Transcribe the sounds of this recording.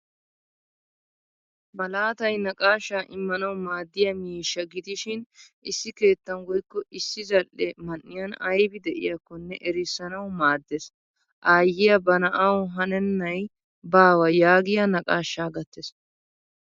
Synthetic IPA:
bɐlaːt̪ɐjnɐkʼaːʃːaːʔɪmːɐnɐwmaːd̪ːɪjɐmiːʃːɐɡɪd̪ɪʃɪnɪsːɪke̞ːt̪ːɐnɡɔjkːɔʔɪsːɪzɐlʔːɛmɐnːɪjɐnɐjbɪd̪ɛʔɪ̰jɐkːɔnːɛʔɛɾɪsːɐnɐwmaːd̪ːes | ʔaːjːɪjɐbɐnɐʔɐwʊɦɐnɛnːɐj | baːwɐjaːɡɪjɐnɐkʼaːʃːaːɡɐt̪ːes

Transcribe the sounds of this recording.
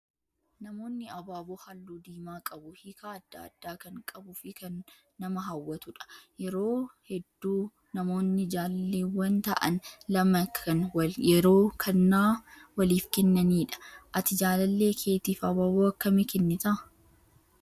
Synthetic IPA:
nɐmo̞ːnːɪɐbaːboːhɐlːuːd̪iːmaːkʼɐbʊhɪkaɐd̪ːa̰ːd̪ːaːkɐŋkʼɐbʊfɪkɐnː | ɐmɐɦɐwːɐt̪ʊᶑɐ̥jɛɾoːhɛd̪ːuː | nɐmo̞ːnːɪd͡ʒaːlɐlːeːwɐnt̪ɐʔɐ̰nlɐmɐkʰɐnwɐjɛɾo̞ːkʰɐnːaːwɐliːfkɛnːɐniːᶑɐ̥ʔɐt̪ɪd͡ʒaːlɐlːe̞ːkʰe̞ːt̪iːfɐbaːboɐkːɐmɪkɛnːɪt̪ɐʔ

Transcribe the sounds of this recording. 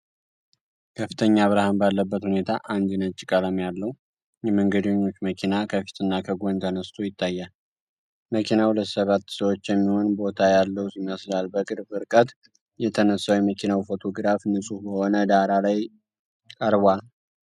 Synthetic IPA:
kʰəfːɨ̥t̪ʰəɲːaβɾahanbalːəbːət̪hune̞t̪ʰaʔand̪inət͡ʃʼːikʼəlamjalːəhu | jɛməŋɡəd̪eɲːo̞t͡ʃːməkʰinakʰəfi̥t̪ʰɨnːakʰəɡʷont̪ʰənəst̪ʰujɪt̪ʰːajːal | məkʰinahulət̪səβat̪ːsəwot͡ʃːjɛmːihonbo̞t̪ʰajalːəwuɪmːaslalbəkʼɨɾbɨɾkʼət̪ | jɛt̪ʰənəsːawjɛməkʰinawifo̞t̪ʰo̞ɡɨɾafnɨsʼubəho̞nəd̪aɾalaj | kʼəɾβʷal

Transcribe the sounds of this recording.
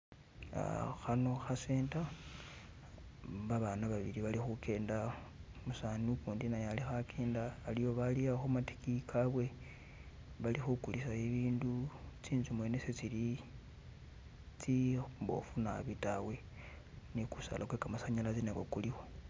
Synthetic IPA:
a̰xano̞xaseːnta | βaβanaβaβḭɾiβalixukʰe̞ːndamusaniukuːndinajalixakʰe̞ːndaːlijo̞βaliaxumati̥kikʰaβwe̞ | βalixukulisaiβiːndut͡siːnzumwe̞neset͡sili | t͡simbo̞̰funa̰βitawe̞ | nikusa̰lʔakwekamasaɲalat͡sinekokulixo̞

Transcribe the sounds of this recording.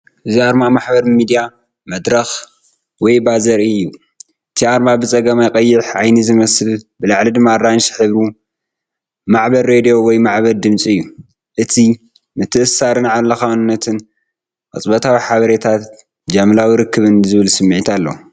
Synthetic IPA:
ʔɨziaɾmamaħbɐɾmid̪ija | mɐd̪ɾɐx | wɔjbazɐɾɨjːu | ʔɨt̪ʰiaɾmabɨt͡sʼɐɡɐmajkʼɐjːɪħʔajnizɨmɐsɨlbɨlaʕlid̪ɨmːaɾanʃħɨβɾu | maʕbɐɾɾed̪ijo̞wɔjmaʕβɐld̪ɨmt͡sʼiɨjːu | ʔɨt̪ʰi | mɨt̪ʰɨʔɨsaɾɨnʕalɐxawnɨnːɐt̪ʰɨn | qʼɐ̰t͡sʼbɐt̪ʰawiħaβɐɾet̪ʰat̪ | d͡ʒɐmlawiɾɨkʰːɨβɨnzɨβɨlsɨmːɨʕit̪ʰalːɐ̰

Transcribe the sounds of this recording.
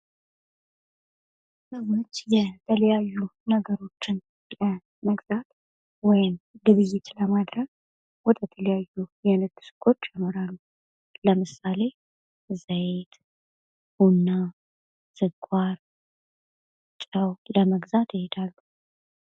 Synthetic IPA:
məmot͡ʃːjɛt̪ʰələjajːunəɡəɾo̞t͡ʃːɪn | lə | məɡzat̪ | wɔjɪmlɨβɨjːɪt̪ləmad̪ɾəɡ | wɔt̪ʰʼjɛt̪ʰələjajːujɛnɨt̪ːɨ̥sɨ̥kʰʼːo̞t͡ʃːamɨɾalːu | ləmɨsale̞ | zəjt̪ | hunːa | z̥ɨkʷʼːaɾ | t͡ʃʼaəwləməɡzat̪jɪhed̪alːu

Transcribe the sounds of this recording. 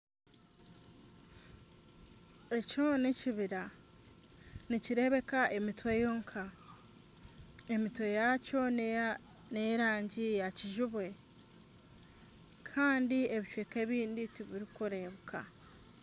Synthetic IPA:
e̞coneciβiɾa | niciɾe̞βe̞kaʔe̞mitwejoːŋkʰa | emitwe̞jaco̞ | neɾaːɲɟijaciʒuβwe̞ | kʰaːndie̞βicweːke̞βiːnditiβiɾikuɾe̞ːβukʰa̰

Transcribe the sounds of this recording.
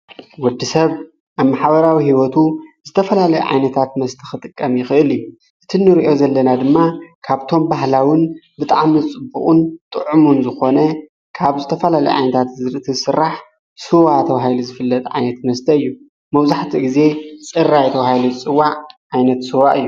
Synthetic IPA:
wɔd̪ːisɐβ | ʔaβmaħβɐɾawihiwot̪ʰuz̥ɨt̪ʰɐfɐlalɐjuʕa̰jnɐt̪ʰat̪mɐst̪ʰi̥xɨt̪ʼɨkʼːɐmjɪxɨʔɨlju | ʔɨt̪ʰinːɨɾiʔo̞zɐlːɐnad̪ɨmːakʰaβt̪ʰo̞mbaɦlawɨnbɨt̪ʼaʕmizɨt͡sʼɨbṵχʼunt̪ʼɨʕumunzɨxo̞nɐ | kʰaβzɨt̪ʰɐfɐlalɐjṵʕa̰jnɐt̪ʰat̪t̪ʰiɨsɨrːaħ | sɨwat̪ʰɐβahajlizɨfɨlːɐt̪ʼʕa̰jnɐt̪mɐst̪ʰɐɨjːu | mɐβzaħt̪ʰiɡize̞t͡sʼɨrːajt̪ʰɐβahajlizɨt͡sʼɨwːaʕʕajnɐt̪sɨwaʔɨjːu

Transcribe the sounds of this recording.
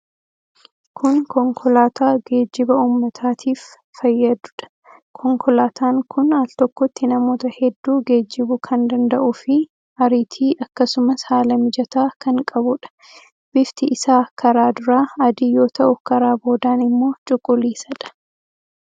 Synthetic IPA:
kʰʊnkɔŋkʰɔlaːt̪aːɡe̞ːd͡ʒːɪbɐuːmːɐt̪ʰaːt̪ʰiːfː | ɐjːɐd̪ʊ̥ᶑɐ̥ | kʰɔŋkʰɔlaːt̪ʰaːŋkʊnaːlt̪ɔkːɔt̪ːɪnɐmo̞ːt̪ɐhɛd̪ːuːɡe̞ːd͡ʒːɪbʊkʰɐnd̪ɐnd̪ɐʔʊfɪ | ɐɾit̪ʰiːʔɐkːɐsʊmɐshaːlɐmɪd͡ʒɐt̪aːkɐŋkʼɐbʊᶑɐ̥ | b̥ɪft̪ɪʔɪsaːkɐɾaːd̪ʊɾaːɐd̪iːjo̞ːt̪ɐʔʊkɐɾaːbo̞ːd̪aːnɪmːo̞ːt͡ʃʼʊkʼːʊliːsɐᶑɐ̥

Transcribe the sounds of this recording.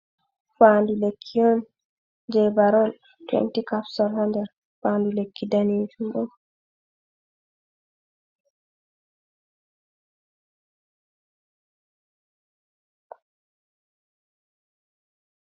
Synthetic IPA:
faːndulekʰːiɔn | d͡ʒɛbaɾɔl | twɛ̰ntikafsɔlhandɛɾ | faːndulekʰːidaneːd͡ʒumbɔ

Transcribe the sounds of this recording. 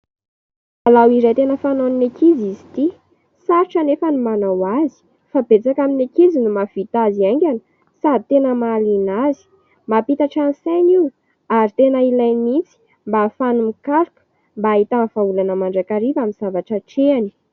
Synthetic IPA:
alawiɾejt̪enəfanoninakizizi̥t̪i | saɾiʈ͡ʂanefənumanawazi̥ | fabet͡sakaminakizinumafit̪aziaŋɡʲanə̥ | sad̪ʱit̪enəmalinazi̥ | mapit̪aʈ͡ʂansajni | aɾit̪enəilajmit͡si̥ | mbafanumikaɾuku̥ | mbaːit̪anv̥aulanəmaɳɖ͡ʐakaɾivaminz̥avaʈ͡ʂəʈ͡ʂeani̥

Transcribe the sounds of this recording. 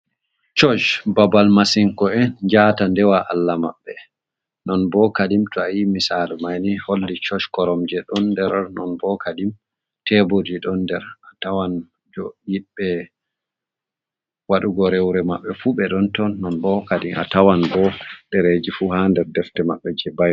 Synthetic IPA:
t͡ʃɔd͡ʒbabalmasiŋkɔɛnd͡ʒaːtandɛwaʔalːamaɓːɛ | nɔnbɔkadimtɔajimisalmajniholːit͡ʃɔʃkɔɾɔmd͡ʒɛɗɔndɛɾnɔnbɔkʰadim | tɛbodiɗɔndɛɾatawan | d͡ʒɔjiɗɛ | waɗuɡɔɾɛwɾɛmaɓːɛfuɓɛɗɔntɔnːɔnbɔkaɗima̰tawanbɔdɛɾed͡ʒifuhandɛɾdɛftɛmaɓːɛd͡ʒɛbaj

